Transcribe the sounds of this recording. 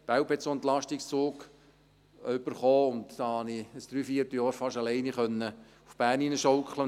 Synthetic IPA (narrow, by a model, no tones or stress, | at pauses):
b̥æwpɛt͡soɛnt̪lɑʃtɪkst͡soːk | ʏb̥əɾχoːʊntdɑhɑniəsd̪̥ɾyːfiərtjɔːɾfɑʃɑlɛɪniχœnːə | ufb̥æːɾninəʃowkχlə